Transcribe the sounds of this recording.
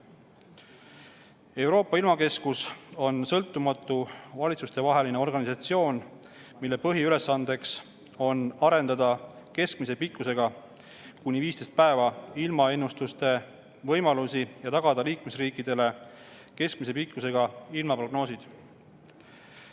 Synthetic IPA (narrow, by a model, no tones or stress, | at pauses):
e̞wɾo̞ːpːˑɑilmɑke̞skuso̞nsɤlt̪ˑːumɑt̪ːˑuvɑlʲit̪sust̪e̞vɑɦe̞lineo̞rɡ̥ɑnʲisɑt̪sio̞ːn | milːe̞pɤɦjiyle̞sːɑnd̪e̞ks | o̞nɑɾe̞nd̪ɑd̪ɑke̞sk̚mise̞pikːˑuse̞ɡ̥ɑ | kunʲːiviːst̪e̞st̪̚pæe̞vɑilmɑe̞nːust̪ust̪e̞ | vɤ̞jmɑlusijɑt̪ɑɡ̥ɑd̪̥ɑliːkme̞sriːkːˑid̪e̞le̞ | ke̞skmise̞pikːuse̞ɡ̥ɑilmɑpro̞ɡno̞ːsid̪̥